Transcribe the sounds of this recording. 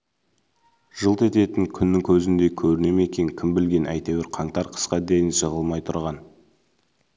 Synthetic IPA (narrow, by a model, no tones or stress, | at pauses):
ʒ̥əlˠt̪e̞t̪e̞t̪ɪŋkʲʰʏnːɪŋkʲʰɵzɪnd̪e̞kʲʰɵɾɪne̞me̞kʲe̞ŋkʲʰɪmbɪlɡʲe̞nʔæ̰jt̪e̞wɪɾqʰɑŋt̪ɑɾqʰə̥sqɑd̪e̞jɪnʃəʁəlˠmɑjt̪ʰʊɾʁɑn